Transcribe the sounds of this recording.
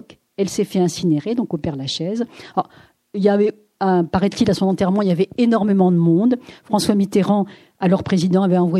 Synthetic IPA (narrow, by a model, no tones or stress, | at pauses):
k | ɛlsɛfɛɛ̃sineʁed̪ɔ̃kopɛʁd̪laʃɛzɔʁ | iljavɛ | ɛ̃paʁɛt̪ilasɔ̃nɑ̃t̪ɛʁmɑ̃iljavɛenɔʁmemɑ̃d̪əmɔ̃d̪fχɑ̃swamit̪eʁɑ̃ | alɔʁpχezid̪ɑ̃avɛɑ̃vwa